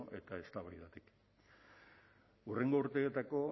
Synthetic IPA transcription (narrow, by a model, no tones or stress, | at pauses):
ʔe̞t̪ae̞st̪aβajðat̪ik | ure̞ŋɡo̞uɾt̪eːt̪ako̞